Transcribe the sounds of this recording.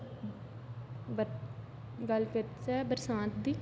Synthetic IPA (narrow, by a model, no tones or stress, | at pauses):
bə | ɡəlkəɾt͡ʃɛːbəɾsãːt̪̚d̪iː